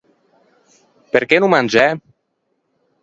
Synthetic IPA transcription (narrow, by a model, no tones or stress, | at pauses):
peɾkɛnumanʲd͡ʒɛ